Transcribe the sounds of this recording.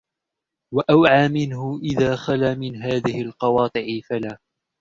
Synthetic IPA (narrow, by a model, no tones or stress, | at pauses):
waʔawʕaːmɪnhʊʔɪðaːxalaːmɪnɦaːðɪhɪlqɑwɑːt̪ˤɨʕɪfalaː